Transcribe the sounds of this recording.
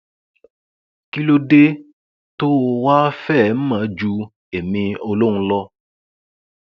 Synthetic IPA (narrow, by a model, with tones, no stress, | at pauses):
ki˦lo˧de˦ | to˦˧wa˦fɛ˦˨˦m̩˦mã˨˦d͡ʒu˧ | e˨mĩ˧o˧lo˦ɾ̃ũ˧˦lɔ˧